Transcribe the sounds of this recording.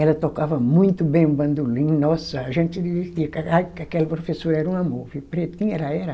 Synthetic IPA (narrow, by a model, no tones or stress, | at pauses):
ɛlɐt̪okavɐmũj̃t̪ʊbẽj̃ũbɐ̃nd̪ulĩɲnɔsɐaʒẽnt̪d̪iveɾt̪iɐkaakɪakɛlɐpɾofesoɾɛɾɐũamovɪpɾet̪ĩɲɛɾɐɛɾɐ